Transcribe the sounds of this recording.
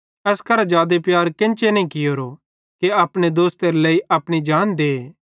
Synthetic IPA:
ɛːskɐɾad͡ʒaːd̪epjaːɾkɪnt͡ʃenɛ̃ĩkɪjoːɾo | keɐpɽ̃ed̪oːst̪eɾleːiʔɐpɽ̃id͡ʒaːnd̪eː

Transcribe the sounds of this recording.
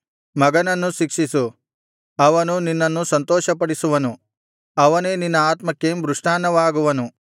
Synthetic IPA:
mɐɡɐnɐnːuʃikʂisu | ɐʋɐnuninːɐnːusɐnt̪ɔːʃɐpɐɽisuʋɐnu | ɐʋɐneːninːɐaːt̪mɐkːembɾuʂʈaːnɐʋaːɡuʋɐnu

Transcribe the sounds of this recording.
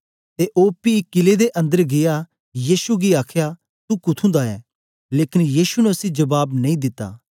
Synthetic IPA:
t̪eʔoːpiːkɪled̪eʔɐ̃nd̪əɾɡɪja | jiːʃuɡiaːkʰja | t̪ukʊt̪ʰũd̪aɛ̰ː | leːkɪnjiːʃunɛʊsĩd͡ʒɐbaːbnɐ̃ĩd̪ɪt̪ːa̰ː

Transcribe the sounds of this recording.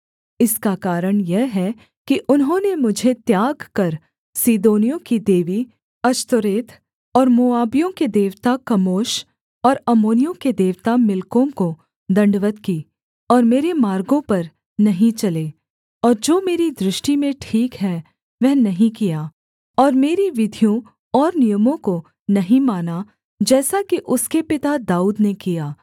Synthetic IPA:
ɪskakaːɾəɽ̃jɛɦɦɛ | kiʔʊnɦõːnemʊd͡ʒʱet̪jaːɡkɐɾ | siːd̪oːnijõkid̪eːʋi | ɐʃt̪əɾeːt̪ʰ | ɔːɾmʊaːbijõked̪eːʋt̪akɐmoːʃ | ɔːɾɐmoːnijõked̪eːʋt̪amɪlkõko | d̪ɐ̃ɳɖʋət̪kiː | ɔːɾmeːɾemaːɾɡõpɐɾ | nɐɦĩt͡ʃɐleː | ɔːɾd͡ʒoːmeːɾid̪ɾɪʃʈimẽʈʰiːkɦɛ | ʋɛɦnɐɦĩkijaː | ɔːɾmeːɾiʋɪd̪ʱijõ | ɔːɾnɪjəmõko | nɐɦĩmaːna | d͡ʒɛːsakiʔʊskepɪt̪ad̪aːuːd̪nekijaː

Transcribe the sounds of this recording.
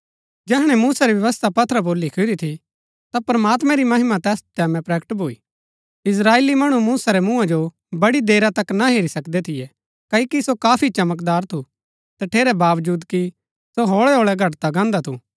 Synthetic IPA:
d͡ʒɛːɦɽ̃ɛ̃muːsaɾiʋjɐʋəst̪ʰapɐt̪ʰɾəboːlːikʰʊɾit̪ʰi | t̪apɐɾmaːt̪mɛ̃ɾimɐɦɪmat̪ɛːst̪ɛːmɛ̃pɾɛːkəʈbʱoḭː | ɪs̬ɾaːeːlimɐɽ̃umuːsaɾɛmũãd͡ʒo | bɐɽid̪eːɾat̪ɐknaɦeːɾisɐkd̪ɛt̪ʰɪjɛ | kɐikisokaːpʰit͡ʃɐmək̬d̪aːɾt̪ʰu | t̪ɐʈʰeːɾɛbaːʋd͡ʒuːd̪ki | soɦoːɭɛɦoːɭɛɡʱɐʈt̪aɡãːnd̪at̪ʰṵ

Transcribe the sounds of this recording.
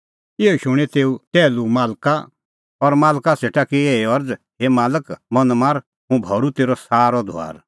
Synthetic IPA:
ɪoʃʊɽ̃ɛt̪eːut̪ɛːlumaːlka | ɔɾmaːlkaseːʈakieɔɾd͡zɦemaːləkmɐnmaːɾ | ɦũbʱɔːɾut̪eːɾɔsaːɾɔd̪ʱo̰a̰ːɾ

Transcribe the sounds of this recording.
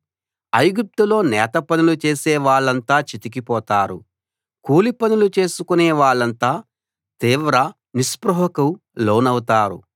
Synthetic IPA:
ɐjɡup̚t̪ulo̞ːnɛːt̪ɐpɐnulut͡ʃe̞ːsɛːʋaːɭːɐnt̪aːt͡ʃit̪ik̬ipɔːt̪aːɾu | kuːlipɐnulut͡ʃe̞ːsukuneːʋaːɭːɐnt̪aː | t̪iːʋɾɐ | nispɾɐɦɐkɐw | loːnɐwt̪aːɾṵ

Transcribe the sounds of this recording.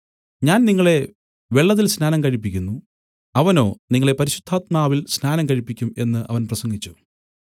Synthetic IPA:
ɲaːnniŋːɐɭe̞ | ʋe̞ɭːɐðilsnaːnɐmkɐɻipːikʲːunːu | ɐʋɐno̞ːniŋːɐɭe̞pɐɾiɕud̪ʱːaːt̪̚maːʋilsnaːnɐmkɐɻipːikʲːume̞nːɨʔɐ̰ʋɐnprɐsɐŋɡit͡ɕːu

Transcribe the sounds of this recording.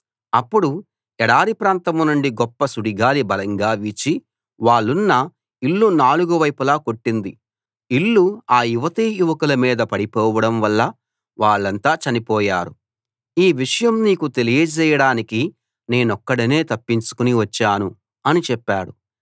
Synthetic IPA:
ɐpːuɽu | ɛɽaːɾipɾaːnt̪ɐmnuɳɖiɡɔpːɐsuɽiɡaːlibɐlɐŋɡaːʋit͡ʃi | ʋaːɭːunːɐ | iɭːunaːluɡuʋɐjpulaːko̞ʈːind̪i | iɭːuaːjuʋɐt̪iːjuʋɐkulɐmiːd̪ɐpɐɽipɔːʋɐɽɐmʋɐlːɐ | ʋaːɭːɐnt̪aːt͡ʃɐnipɔːjaːɾu | iːʋiʂɐjɐmniːkut̪e̞lijɐt͡ʃɛːjɐɽaːniki | ne̞ːnɔkːɐɽine̞ːt̪ɐpːiɲt͡ʃu̥kuniʋɐt͡ʃːaːnu | ɐnit͡ʃɛpːaːɽu

